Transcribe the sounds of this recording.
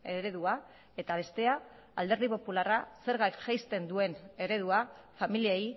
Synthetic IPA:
e̞ɾe̞ðua | e̞t̪aβ̞e̞st̪e̞aː | ld̪e̞ɾðipo̞pularase̞ɾɣajkʝajst̪e̞nd̪ue̞ne̞ɾe̞ð̞uafamiliej

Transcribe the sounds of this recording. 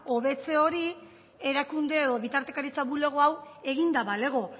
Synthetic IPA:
o̞βe̞t͡se̞o̞ɾi | e̞ɾakund̪e̞eðo̞βit̪aɾt̪e̞kaɾit͡saβule̞ɣ̞oawe̞ɣind̪aβale̞ɣo̞

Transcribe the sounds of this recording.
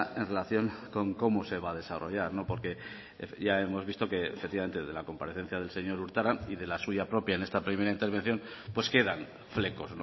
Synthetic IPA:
e̞nre̞laθjo̞ŋko̞ŋko̞moseβ̞aðe̞saro̞̰ʝaɾno̞po̞ɾke̞ | efʝae̞mo̞zβist̪o̞ke̞efekt̪ːiβame̞nt̪eðe̞lako̞mpaɾe̞θe̞n̟θjað̞e̞lse̞ɲo̞ɾuɾt̪aɾaniðe̞lasuʝapɾo̞pjaenest̪apɾime̞ɾaint̪e̞ɾβ̞e̞nθjo̞n | pwe̞ske̞ðan | fle̞ko̞sno

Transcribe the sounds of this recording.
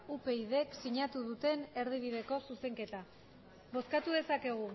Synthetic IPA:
upe̞iðe̞ksiɲat̪uðut̪e̞ne̞ɾð̞iβ̞iðe̞ko̞suse̞ŋke̞t̪a | βo̞skat̪uðe̞sake̞ɣ̞u

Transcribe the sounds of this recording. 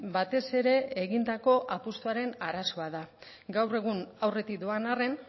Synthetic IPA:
bat̪e̞se̞ɾe̞ːɣind̪ako̞ʔapust̪uaɾe̞naɾaso̞aða | ɡawre̞ɣ̞unawre̞t̪ik̚d̪oanare̞n

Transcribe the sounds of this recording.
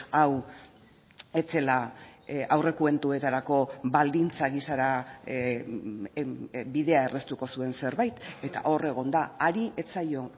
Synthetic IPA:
aw | e̞t͡se̞la | awre̞kue̞nt̪ue̞t̪aɾako̞βald̪int͡saɣisaɾa | biðe̞ae̞rʔe̞st̪uko̞sue̞nse̞ɾβajt̪e̞t̪a̰ʔo̞re̞ɣ̞o̞nd̪aaɾiʔe̞t͡sajo̞

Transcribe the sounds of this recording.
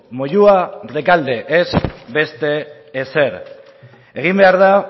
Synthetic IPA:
moʎuarekald̪e̞ʔezbe̞st̪e̞ː | se̞ɾ | e̞ɣ̞imbe̞aɾða

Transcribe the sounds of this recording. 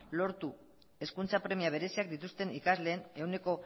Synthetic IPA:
lo̞ɾt̪u | e̞skunt͡sapɾe̞miaβ̞e̞ɾe̞siak̚d̪it̪ust̪e̞nikazle̞ːne̞une̞ko̞

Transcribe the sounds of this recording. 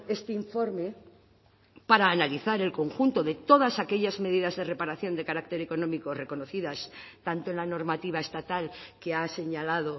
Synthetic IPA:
e̞st̪eiɱfo̞ɾme̞ | paɾaːnaliθaɾe̞lko̞ŋxunt̪o̞ðe̞t̪o̞ðasake̞ʎazme̞ðiðazðe̞re̞paɾaθjo̞nd̪e̞kaɾak̚t̪e̞ɾeko̞nõmiko̞re̞ko̞noθiðast̪ant̪oenlano̞ɾmat̪iβ̞ae̞st̪at̪alke̞ase̞ɲalað̞o̞

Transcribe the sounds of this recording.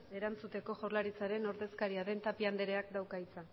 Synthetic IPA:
e̞ɾant͡sut̪e̞ko̞ʝoɾlaɾit͡saɾe̞no̞ɾðe̞skaɾiaðe̞nt̪apiand̪eɾe̞akd̪awkait͡sa

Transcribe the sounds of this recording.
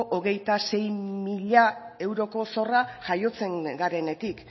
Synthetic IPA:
ʔoɣ̞e̞jt̪ase̞jmiʎae̞wɾo̞ko̞so̞raʝajo̞t͡se̞ŋɡaɾe̞ne̞t̪ik

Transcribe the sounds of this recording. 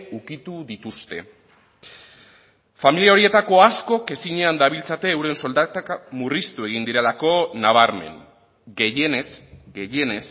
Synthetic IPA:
ukit̪uðit̪ust̪e̞ | familiao̞ɾie̞t̪ako̞asko̞ke̞siɲeand̪aβilt͡sat̪e̞ːwɾe̞nso̞ld̪at̪akmurist̪ue̞ɣ̞ind̪iɾe̞lako̞naβ̞aɾme̞̰n | ɡe̞je̞nesɡe̞je̞nes

